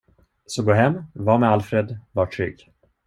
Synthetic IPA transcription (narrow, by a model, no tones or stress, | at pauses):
sɔɡoːɦɛmːvɑːmɛalfɾed̪vaʈʰːɾʏ̰ɡ